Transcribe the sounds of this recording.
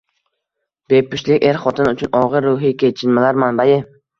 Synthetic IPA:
b̥e̞pʊʃlɪkʲe̞ɾχɒt̪ʰɪnʊt͡ʃʰʊnʔɒʁɨɾːʊɦɪkʲʰe̞jt͡ʃʰɪnmalaɾmanbajɪ

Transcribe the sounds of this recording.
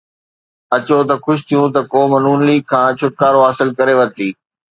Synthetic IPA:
ɐt͡ɕot̪ɐxʊʃt̪ʰijũt̪ɐkoːmɐnuːnliːkʰãːt͡ɕʰʊʈ̚kaːɾoɦaːsɪlkɐɾeʋɐt̪iː

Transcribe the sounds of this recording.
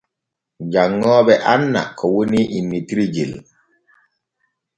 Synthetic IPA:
d͡ʒaŋːɔːbɛʔanːa̰kɔwuniʔinːitiɾid͡ʒḭl

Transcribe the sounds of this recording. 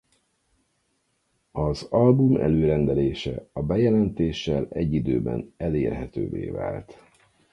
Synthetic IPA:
ɒzɒlbumʔɛ̰løːɾɛnd̪ɛleːʃɛ̰ɒbɛjɛlɛnt̪eːʃːɛlɛɟːid̪øːbɛ̰nɛleːrɦɛt̪ø̰ːvḛːva̰ːlt̪

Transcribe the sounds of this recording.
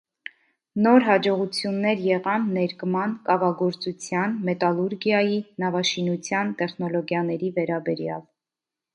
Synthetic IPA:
nɔɾɦɑd͡ʒɔʁut͡sʰjunːɛɾjɛʁɑnːɛɾkmɑnkɑvɑɡɔɾt͡sut͡sʰjɑnmɛt̪ɑluɾɡjɑjinɑvɑʃinut͡sʰjɑnt̪ɛχnɔlɔɡjɑnɛɾivɛɾɑbɛɾjɑ̰l

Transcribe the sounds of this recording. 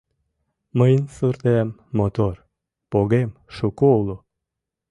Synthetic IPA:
məjnsurt̪emːot̪or | poɣemʃukoulˠu

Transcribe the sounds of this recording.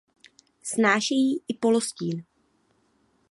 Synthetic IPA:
snaːʃɛjiːʔɪpo̞losciːn

